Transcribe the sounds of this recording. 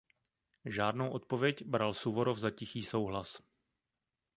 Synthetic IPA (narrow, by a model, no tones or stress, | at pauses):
ʒaːdnowʔo̞t̪̚po̞vjɛcbɾalsuvoɾovzacɪxiːso̞wɦlas